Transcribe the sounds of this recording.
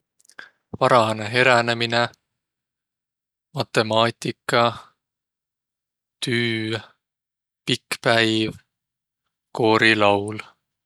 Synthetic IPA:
vɑɾɑneɦe̞ɾænemine | mɑt̪ːˑe̞mɑːt̪ikːˑɑ | t̪yː | pikpæjv | ko̞ːɾilɑwl

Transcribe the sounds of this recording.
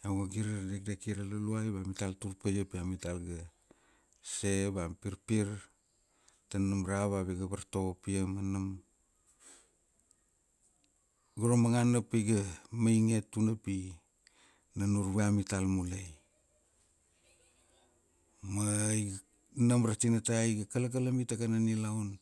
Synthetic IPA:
jawɡaɡiɾaɾdek̚dekiɾalaluajbamitaltuɾpejapiamitalɡa | se̞bapiɾpiɾ | tanamɾaβaβiɡabaɾto̞ɡopiemanam | ɡaɾomaŋanapajɡamajŋe̞tːunapi | nanuɾβeamitalmulej | maj | namɾatinatajɡakalak̬alamitakananilaun

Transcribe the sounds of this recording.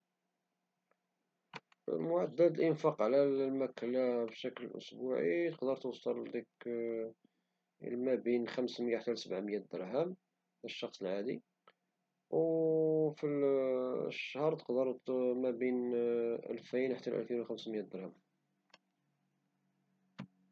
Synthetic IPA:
ə̰lmʊʕad̪ːæd̪əlʔənfɑqʕlællmæklæbʃækləlʔʊ̰sbuʕḭt̪əqd̪əɾt̪uwsˤɑld̪ik | lmæbinxæmsməjaħt̪ːælsəbʕməjːæd̪əɾˤhæm | d̪æʃːɑxsˤəlʕad̪i | w | fil | ʃːhɑɾˤt̪ə̥qd̪əɾˤmæbinʔæ̰lfinħt̪ːælʔæ̰lfinwxæmsməjːæd̪əɾˤhæm

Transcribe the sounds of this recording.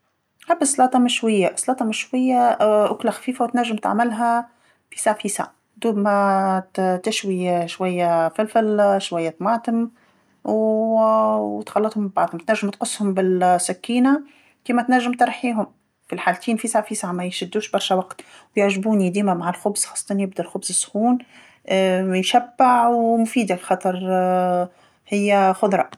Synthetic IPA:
ħabːəsˤːɑlɑːt̪ˤɑmɪʃwajːaʔsˤlɑːt̪ˤɑmɪʃwɪjːaʔʊklaxæ̥fiːfawt̪næʒːɪmt̪a̰ʕmɪlɦæ | fisaʕfiːsa̰ʕ | d̪uːbmæ | t̪ɪʃwiʃwæjːæfɪlfɪlʃwajːæt̪mɑːt̪əm | w | t̪xɑlːɑt̪ˤhʊmba̰ʕd̪ˤhʊmt̪næʒːɪmt̪qʊsˤːhʊmbɪlsækːiːna | k̪iːmæt̪næʒːɪmt̪ɑɾˤħiːɦʊm | filħaːlt̪ʰiːnfisʕafisʕamæjʃɪd̪ːuːʃbɑɾˤʃæwɑqt̪wjʊʕʒbuːnid̪iːmæmaʕalxʊbz̥xɑːsˤːɑt̪ˤɑnjɪb̚d̪ælxʊbzɪsːxuːn | jʃæbːaʕwmʊfiːd̪afixɑːt̪ˤɑɾˤ | hɪjːæxʊd̪ˤɾˤɑ̰

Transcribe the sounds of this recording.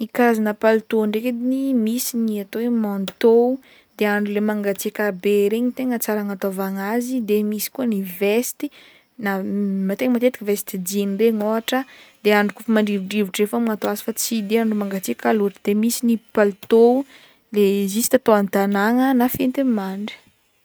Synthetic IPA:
ikaazanəpalut̪oɳɖ͡ʐeked̪inimisiniat̪owemant̪ou | d̪eaɳɖ͡ʐulemaŋɡat͡sikʲabeɾeɲit̪eŋət͡saɾaŋat̪ovaŋazid̪emisi̥kuənivest̪i̥ | namat̪eŋəmat̪et̪i̥kəvest̪id͡ʒinreŋoɦaʈ͡ʂəd̪̥eaɳɖ͡ʐukufamaɳɖ͡ʐiviɖ͡ʐiviʈ͡ʂefamiŋat̪oazi̥fat͡sid̪eaɳɖ͡ʐumaŋɡat͡sikaluʈ͡ʂəd̪̥emisinipalut̪ou | lezisi̥t̪at̪oant̪anaŋənafent̪emaɳɖ͡ʐi̥

